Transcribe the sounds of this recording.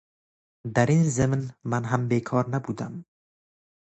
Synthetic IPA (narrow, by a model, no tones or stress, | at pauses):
d̪æɾiːnzɨmnmanɦæmbeːkʰɑːɾnabuːd̪am